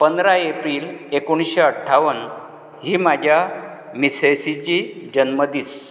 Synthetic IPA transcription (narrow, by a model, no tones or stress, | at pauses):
pənd̪ɾaepɾiːlekoñsɕeəʈʰːaʋən | ɦiːmad͡ʑʱja | misesit͡ɕiːd͡ʑənməd̪iːs